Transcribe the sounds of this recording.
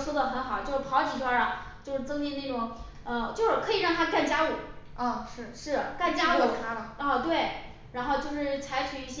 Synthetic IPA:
swɔ˥d̪ə˨xə˧˥nxɑ˨˩ʊt͡ɕjo˥˧ʂɻ̩˥˩pʰɑ˧˥ʊt͡ɕi˨˩t̪ʰwa˥ɐ˨˧ | t͡ɕjo˥˧ʊʂɻ̩˥˩t͡sɤ˥ŋni˥˧ne˥˩ʈ͡ʂʊ˨˩˦ŋ | ə˧t͡ɕjo˥˧ʊʂɻ̩˥˩kʰɤ˧˥i˨˩ɻɑ˥˩ŋt̪ʰa˥ka˥˩nt͡ɕja˥u˨˩˦ | ɔ˥˩ʂɻ̩˥˩ʂɻ̩˥˩ka˥˩nt͡ɕja˥u˧˩t̪ʰa˥lə˨ə˥˧t̪we˥˩ɪ | ɻa˧˥nxo˥˧ʊt͡ɕjo˥˧ʊʂɻ̩˥˩t͡sʰa˧˥ɪt͡ɕʰy˨˩i˥˩ɕ

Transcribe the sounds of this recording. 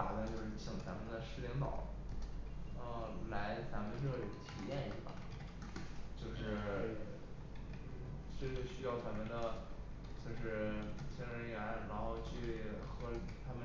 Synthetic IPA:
a˨˩d̪ə˧t͡ɕjo˥˧ʊʂɻ̩˥˩t͡ɕʰi˨˩ŋt͡sa˧˥mə˨˧nd̪ə˧ʂɻ̩˥lɛ˧˥ŋt̪ɑ˨˩˦ʊ | ə˧˩la˧˥ɪt͡sa˧˥mə˧nʈ͡ʂɤ˥˩i˨˧˩t̪ʰi˨˩jɛ˥˩nḭ˧˥bɐ̰˨˩ | t͡ɕjo˥˧ʊʂɻ̩˥˩˥ | ʈ͡ʂɤ˥˩ɡə˥˩ɕy˥jɑ˥˩ʊt͡sa˧˥nmə˧nd̪ə˩ | t͡ɕjo˥˧ʊʂɻ̩˥˩t͡ɕʰjɛ˥nɻə˧˥ni˨˩a˧˥ɻa˧˥nxo˥˧ʊt͡ɕʰy˥˩xɤ˧˥t̪ʰa˥mə˨

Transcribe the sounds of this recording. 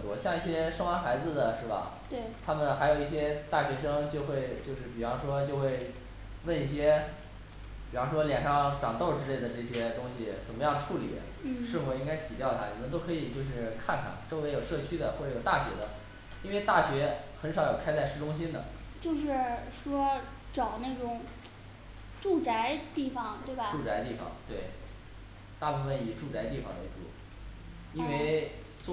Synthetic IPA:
ə˩nt̪wɔ˥ɕjɑ˥˧ŋi˥˩ɕjɛ˥ʂɤ˥ŋwa˥nxa˧˥ɪd͡zɹ̩˧d̪ə˨˩ʂɻ̩˥˩bɐ̰˩t̪e˥˩ɪt̪ʰa˥mə˨nxa˧˥ɪjo˨˩ʊi˥˩ɕjɛ˥t̪a˥˩ɕɥɛ˧˥ʂɤ˥ŋt͡ɕjo˥˧ʊxwe˥˧ɪt͡ɕjo˥˧ʊʂɻ̩˥˩pi˨˩fɑ˥ŋʂwɔ˥t͡ɕjo˥˧ʊxwe˥˧ɪ | wə˥˧ni˥˩ɕ̬jɛ˥ | pi˨˩fɑ˥ŋʂwɔ˥ljɛ˨˩nʂɑ˥˩ŋʈ͡ʂɑ˨˩ŋt̪o˥˩ʊʈ͡ʂɻ̩˥le˥˩ɪd̪ə˩ʈ͡ʂɤ˥˩ɕ̬jɛ˥t̪ʊ˥ŋɕi˨˩t͡sə˨˩nmə˦jɑ˥˩ŋʈ͡ʂʰu˥˩lḭ˨˩˦ | ʂɻ̩˥˩fu˨˩i˥ŋka˥ɪt͡ɕi˨˩t͡ɕjɑ˥˩ʊt̪ʰa˥ni˨˩mə˧˦nt̪o˥ʊkʰɤ˧˥i˨˩t͡ɕjo˥˧ʊʂ̬ɻ̩˥˧kʰa˥˩nkʰa̰˨˩nʈ͡ʂo˥ʊe˧˥ɪjo˨˩ʊʂɤ˥˩t͡ɕʰy˥d̪ə˨xwɔ˥˩ʈ͡ʂɤ˧˥jo˨˩t̪a˥˩ɕɥɛ̰˧˥d̪ə˧ | i˥nwe˥˧ɪt̪a˥˩ɕɥɛ˧˥xə˧˥nʂɑ˧˥ʊjo˨˩kʰa˥ɪt͡sa˥˧ɪʂɻ̩˥˩ʈ͡ʂʊ˥ŋɕ̬i˥nd̪ə̰˨˩ | t͡ɕjo˥˧ʊʂ̬ɻ̩˥˩˧ʂwɔ˥ | ʈ͡ʂɑ˨˩ʊne˥˩ɪʈ͡ʂʊ˨˩˦ŋ | ʈ͡ʂu˥˩t͡sa˧˥ɪt̪i˥˩fɑ˨˩ŋt̪we˥˩ɪbɐ˩ʈ͡ʂu˥˩t͡sa˧˥ɪt̪i˥˩fɑ̰˨˩ŋt̪we˥˩ɪ | t̪a˥˧pu˥˧fə˧˩ni˨˩ʈ͡ʂu˥˩t͡sa˧˥ɪt̪i˥˩fɑ̰˨˩ŋə̰˧˥˧ʈ͡ʂṵ˥˩ | i˥nwe˥˧ɪ | s

